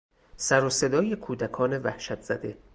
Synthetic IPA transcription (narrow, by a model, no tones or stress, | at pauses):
sæɾose̞d̪ɒːje̞kʰuːd̪ækʰɒːne̞væhʃæt̪ʰz̥æd̪e̞